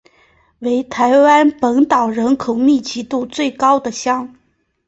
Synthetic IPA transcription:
we˧˥ɪt̪ʰa˧˥ɪwa˥npə˧˥ŋt̪ɑ˨˩ʊɻə˧˥nkʰo˨˩ʊmi˥˩t͡ɕi˧˥t̪u˥˧t͡swe˥˩ɪkɑ˥ʊd̪ə˨ɕjɑ˥ŋ

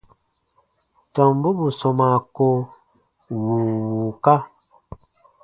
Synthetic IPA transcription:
tɔ˨m˦bu˦bu˨sɔ˨ma˨ko˦ | wu˨wu˨ka˦

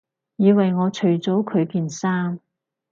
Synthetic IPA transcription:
jiː˨˧wɐ˨jŋɔː˨˧t͡ʃʰɵ˨˩ɥt͡so˨˥wkʰɵ˨˧ɥkiː˨˧nsaː˥m

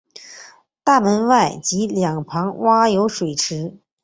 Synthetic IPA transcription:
t̪a˥˩mə˧˥nwa˥˩ɪt͡ɕi˧˥ljɑ˨˩ŋpʰɑ˧˥ŋwa˥jo˧˥ʊʂwe˨˩ɪʈ͡ʂʰɻ̩˧˥

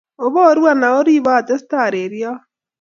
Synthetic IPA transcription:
o˨βɔ˦ɾwa˦na˨o˦ɾi˦βaː˦˨t̪e˦st̪a˨ɾe˨ɾja˦

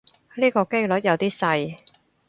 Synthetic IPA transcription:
liː˥kɔː˧ke˥jlɵ˨˥t̚jɐ˨˧wt̪iː˥sɐ˧j

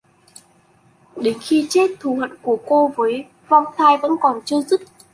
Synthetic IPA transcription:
ɗe˨˦nxi˧t͡ɕe˦˥t̚t̪ʰu˨˩hwə̰˧˨nku˧˩əko˧vəː˨˦j | vɔ˧˨wŋ͡mt̪ʰaː˧jvə̰˧˥nkɔ˨˩nt͡ɕɨ˧əzɨ˦˥t̚

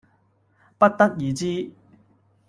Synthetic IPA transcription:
pɐ˥t̚t̪ɐ˥t̚jiː˨˩t͡ɕiː˥

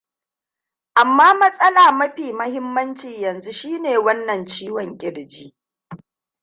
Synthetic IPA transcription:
ʔa˨mːaː˦mɐ˦sʼɐ˦laː˨mɐ˦ɸiː˨mɐ˦hɪ˦mːɐ˦nt͡ʃiː˨jɐ˨nzu˦ʃiː˦neː˨wɐ˦nːɐ˨nt͡ʃiː˦wɔ˨ŋkʲʼɪ˦ɽd͡ʒiː˦

